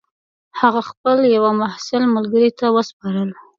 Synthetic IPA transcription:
haɣaxpəljawamahsɪlmalɡəɾit̪awəspɑɾəl

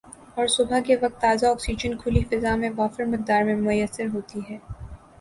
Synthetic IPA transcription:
ɔːɾsʊbʱakeʋɐk̚t̪ːaːzaɔːksid͡ʒənkʰʊlifɪzamẽʋaːfɪɾmɪk̚d̪aːɾmẽmʊjəsːɪɾɦoːt̪iɦɛː

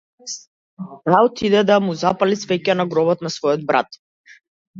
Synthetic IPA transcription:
awt̪ʰid̪ɛd̪amuzapalisvɛcanaɡɾɔβɔt̪nasvɔjɔd̪̚bɾa̰t̪

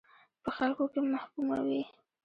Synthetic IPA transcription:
pəxalkokemahkuma̰wi

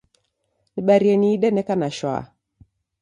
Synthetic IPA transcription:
niɓaɾiɛniːɗɛnɛkanaʃwa̰

